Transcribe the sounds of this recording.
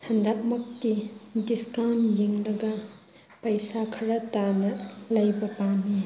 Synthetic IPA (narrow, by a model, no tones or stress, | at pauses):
hɐnd̪aʔ̚mɐk̚tidiskawnjeŋlɐɡɐ | pɐjsakʰɐɾɐtanɐlɐjbɐpami